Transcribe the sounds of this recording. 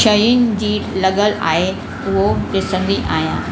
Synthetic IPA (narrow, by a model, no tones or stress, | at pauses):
ʃəjʊnɪ̆d͡ʑiːlɐɠəla̰ːɦe | ʊɦoɪsə̃nd̪iʔaːɦjã̰ː